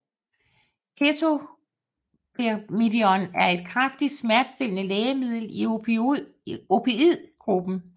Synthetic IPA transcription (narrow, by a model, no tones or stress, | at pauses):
kʰet͡sʰo̝ | pʰemid̥iɒnæɐe̝d̥̚kʰʁɑfd̥id̥smæɐd̥sd̥e̝l̰nəlɛːəmið̰ˠl̩i | opʰe̝ið̰ˠɡ̥ʁub̥n̩